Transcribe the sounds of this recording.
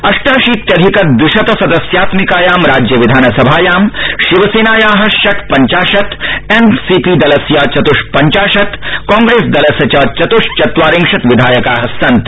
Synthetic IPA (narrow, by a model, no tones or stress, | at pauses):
ɐʂʈaːʃiːt̪ːɐd̪ʱikɐt̪̚d̪uʃɐt̪ɐsɐd̪ɐsjaːt̪mikaːjaːmɾaːd͡ʒjɐʋid̪ʱaːnɐsɐbʱaːjaːmʃiʋɐseːnaːjaːɦɐ̆ʃɐkpɐɲt͡ʃaːʃɐt̪ensiːpiːd̪ɐlɐsjaːt͡ʃɐt̪uʃpɐɲt͡ʃaːʃɐt̪kɔ̃ːŋɡɾeːsd̪ɐlɐsjɐt͡ʃɐːt͡ʃɐt̪uʃt͡ʃɐt̪ʋaːɾĩŋkʃɐt̪ʋid̪ʱaːjɐkaːɦɐsɐ̃nt̪